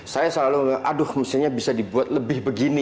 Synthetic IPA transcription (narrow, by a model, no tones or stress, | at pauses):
sajasəlaluʔadʊhməsɪlɲabisadibuat̪̚ləbɪhbəɡini